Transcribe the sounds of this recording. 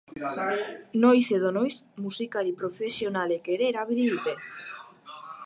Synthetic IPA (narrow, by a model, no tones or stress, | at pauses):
nojθeðonojθmusikaɾipɾofesjonalekeɾeɾaβiðiut̪eθ